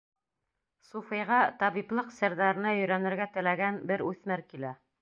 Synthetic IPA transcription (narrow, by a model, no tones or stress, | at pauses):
sufɤ̆jʁɑt̪ɑβiplˠɤqsɘ̆ɾðæɾɘ̆nɑjɵ̆jɾænɘ̆ɾɡæt̪ɘ̆læɡænbɘɾʉθmɘɾkilæ